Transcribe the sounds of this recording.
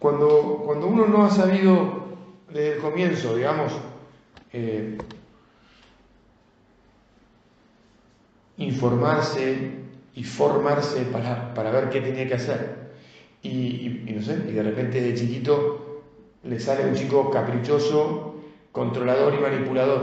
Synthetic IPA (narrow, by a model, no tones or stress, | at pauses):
kwand̪o̞kwand̪ouno̞no̞asaβiðo̞ðe̞hðelko̞mjẽ̞nso̞ðiɣamo̞s | e | iɱfo̞ɾmaɾseifo̞ɾmaɾsepaɾapaɾaβ̞eɾke̞t̪e̞niakeaseɾ | iino̞s̬eiðe̞repe̞nt̪eeðet͡ʃikit̪o̞ | le̞saleaunt͡ʃiko̞kapɾit͡ʃo̞so̞kont̪ɾo̞lað̞o̞ɾimanipulaðo̞ɾ